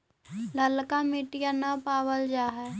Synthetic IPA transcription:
ləlkamɪʈijanapaːwəld͡ʒaːɦɛ

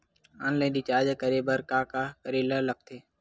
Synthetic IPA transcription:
aːnlə̃ːɗ̪iːt͡ʃaːd͡ʒəkəɾeːbəɾkaːkaːkəɾeːləɦlək̚ʰt̪ʰeː

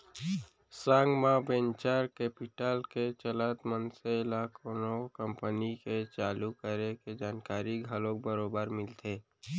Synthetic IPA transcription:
sãːŋɡmãbẽːnt͡ʃaːɾkeːpɪʈəlket͡ʃələt̪mənseɪlaːkõnokə̃mpəniket͡ʃaːlukəɾeked͡ʒaːnkaːɾiɡʱalõk̚bəɾoːbəɾmɪlt̪ʰeː

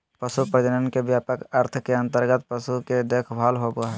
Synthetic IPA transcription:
pəsupɾəd̪ənənkebjaːpəkəɾt̪ʰkeə̃nt̪əɾɡət̪̚pəsuked̪ekʰbʱalɦoboaɦɛ

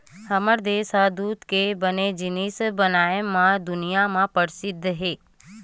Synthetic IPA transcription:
həməɾd̪esad̪ut̪kebəned͡ʒɪnisbənajəmãd̪ʊnijamãpəɾsɪd̪ʱːɦe

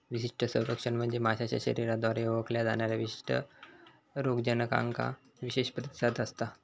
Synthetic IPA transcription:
ʋiɕiʂʈʰəsəwɾəkʂəɳm̤əɳd͡zemaɕat͡ɕa̰ɕə̰ɾiɾad̪ʱʋaɾeoʋəkljad͡zaɳjaɾjaʋiɕi̥ʂʈʰə̰ | ɾoɡd͡ʑənəka̰ŋka̰ | ʋiɕeɕpɾət̪i̥sad̪əst̪a

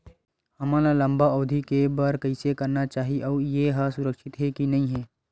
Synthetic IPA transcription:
hɐmaːlalɐ̃mbaɔːd̪ʱikebɐɾkɐisekɐɾnat͡ʃaːɦiʔɔːjeɦasʊɾəkʃɪt̪ɦɛkinɐɦĩɦɛː

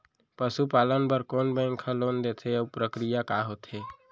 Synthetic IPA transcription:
pəsupalənpəɾkonbə̃ŋkʰə̃lond̪et̪ʰepɾəkɾijakaɦot̪ʰɦe

